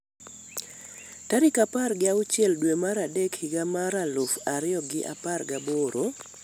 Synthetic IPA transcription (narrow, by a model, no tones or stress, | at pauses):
taɾɪkaparɡɪaʊt͡ʃjɛldwemaɾadekhɪɡamaɾalofaɾɪjɔɡɪʔa̰parɡaboɾʔo